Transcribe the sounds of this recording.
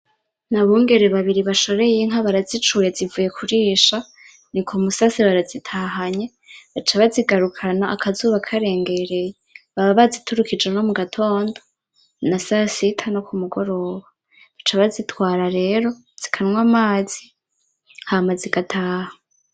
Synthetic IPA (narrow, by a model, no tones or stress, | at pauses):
naβuːŋɡe̞ɾeβaβiɾiβaʃo̞ɾe̞jeŋ̥ɦaβaɾazit͡ʃuje̞zivuje̞kʰuɾiːʃa | nikʰomusasiβaɾazitʰaɦaɲe̞ | βat͡ʃaβaziɡaɾukʰanaːkʰazuβakʰaɾe̞ːŋɡe̞ɾe̞jeβaβaβazitʰuɾukid͡ʒeno̞muɡatʰo̞ːndo | nasasitʰano̞kumuɡo̞ɾo̞ːβa | βat͡ʃaβazitwaːɾaɾe̞ːɾo̞ | z̥ikʰanwamaːzi | hamaziɡatʰaːha